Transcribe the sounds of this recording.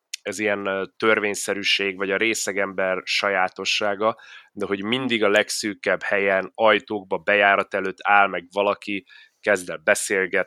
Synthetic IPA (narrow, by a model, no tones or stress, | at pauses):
ɛzijɛnt̪ørveːɲsɛɾyʃeːɡvɒɟɒɾeːsɛɡɛmbɛrʃɒjaːt̪o̞ʃːaːɡɒd̪ɛɦo̞ɟmind̪iɡɒlɛksyːkɛbhɛjɛnɒjt̪oːɡ̚bɒbɛjaːɾɒt̪ɛløːt̪ʰːaːlmɛɡvɒlɒki | kɛzd̪ɛlbɛseːlɡɛt̪